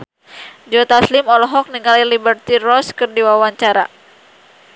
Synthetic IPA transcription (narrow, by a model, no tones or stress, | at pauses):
d͡ʒɔt̪aslɪmɔlɔɦɔk̚niŋalilibərt̪irɔskərdiwawaɲt͡ʃaɾa̰